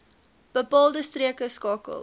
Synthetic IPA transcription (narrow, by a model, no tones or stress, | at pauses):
b̥əpɑːlˠdəstriəkəskɑːkə̰lˠ